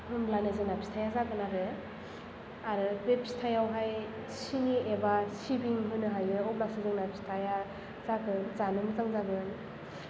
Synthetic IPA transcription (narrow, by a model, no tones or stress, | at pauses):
hɯmblanezɯnapʰi̥stʰajazakɯnabe | aɾɯbepʰstʰajawɦaj | siniebasibiŋɦɯjnɯɦajɯɔplasɯzɯŋnapʰistʰaja | zakɯnzanɯmɯzaŋzaɡɯn